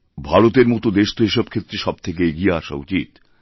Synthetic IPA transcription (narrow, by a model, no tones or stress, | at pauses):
bʱaɽot̪eɾmot̪od̪eʃt̪oeʃɔb̚kʰet̪ːɾeʃɔb̚t̪ʰek̬eeɡieaʃa̰ṵt͡ɕit̪